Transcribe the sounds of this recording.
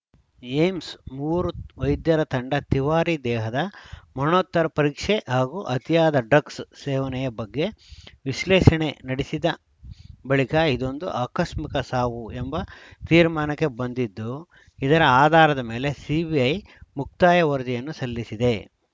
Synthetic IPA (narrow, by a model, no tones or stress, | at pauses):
eːmsmuːɾuʋɐjd̪jɐɾɐt̪ɐɳɖɐt̪iʋaːɾid̪ɛːɦɐd̪ɐmɐnoːt̪ːɐɾɐpɐɾiːkʂeʔɦaːɡuʔɐt̪ijaːd̪ɐɖɾɐkssɛːʋɐnɛjɐbɐɡːe̞ʋiʃlɛːʂɐɳe̞nɐɽisid̪ɐ | bɐɭikɐid̪o̞nd̪uʔaːkɐʃmikɐsaːʋuembɐt̪iːɾmaːnɐkːe̞bɐnd̪id̪ːu | id̪ɐɾɐaːd̪ʱaːɾɐd̪ɐme̞ːle̞sibiɐj | muk̚t̪aːjɐʋɐɾd͡ʒ̪ijɐnːusɐlːisid̪e̞